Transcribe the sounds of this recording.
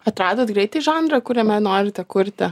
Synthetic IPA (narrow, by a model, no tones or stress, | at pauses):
ɐt̪ɾɑːd̪oːt̪ɡɾʲɛɪt̪ɐɪʒɑːnd̪ɾɐkʊɾʲɛmʲɛnoːɾʲɪt̪ʲɛkʊɾʲt̪ʲɪ